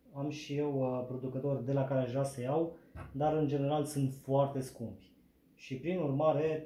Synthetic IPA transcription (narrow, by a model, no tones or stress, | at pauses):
amʃije̞wpɾo̞d̪ukət̪o̞rʲd̪e̞lakaɾeʒasejawd̪aɾɨnd͡ʒe̞ne̞ɾalsɨnt̪foart̪e̞skumpʲ | ʃipɾinurmaɾe̞